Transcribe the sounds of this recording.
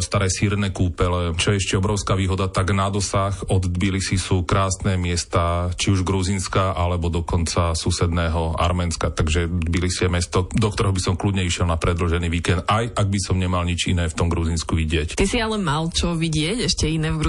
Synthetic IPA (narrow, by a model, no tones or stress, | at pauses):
st̪aɾɛjsiːɾnɛːkuːpɛlɛt͡ʃɔjɛɛʃcɛɔbɾɔʊskaːʋiːɦɔd̪at̪aɡnad̪ɔsaxɔd̪d̪bilisisuːkɾaːsnɛːmɪɛst̪at͡ʃiuʒɡɾuzinskaʔalɛbɔd̪ɔkɔnt͡sasusɛd̪nɛːɦɔa̰ɾmɛnskat̪aɡʒɛd̪bilisiɛmɛst̪ɔd̪ɔk̚t̪ɔɾɛɦɔbisɔmklud̪ɲɛiʃɪɛlnapɾɛd̪l̩ʒɛniːʋiːkɛnd̪ajʔaɡ̚bisɔmɲɛmalɲit͡ʃinɛːft̪ɔmɡɾuzinskuʋiɟɪɛct̪isialɛmalt͡ʃɔʋiɟɪɛcɛʃcɛinɛːvɡɾ